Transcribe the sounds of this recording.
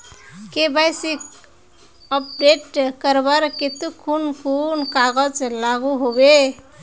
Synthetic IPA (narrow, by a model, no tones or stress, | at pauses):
kebajsik | əp̚ɖeʈkəɾbəɾket̪ukʰunpʰunkaɡəd͡ʒlaɡuɦobe